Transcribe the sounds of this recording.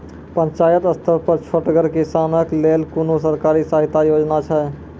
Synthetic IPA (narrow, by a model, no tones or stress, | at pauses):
pə̃ɲt͡ʃaːjət̪əst̪ʰəɾpəɾt͡ʃʰoʈɡəɾkisaːnəkleːlkunos̬əɾkaːɾisaːɦɪt̪ajoːd͡ʒnat͡ʃʰɛ